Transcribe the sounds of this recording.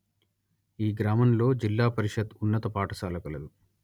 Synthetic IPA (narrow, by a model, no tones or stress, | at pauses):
iːɡɾaːmɐmlo̞ːd͡ʒilːaːpɐɾiʂɐd̪unːɐt̪ɐpaːʈɐsaːlɐkɐlɐd̪u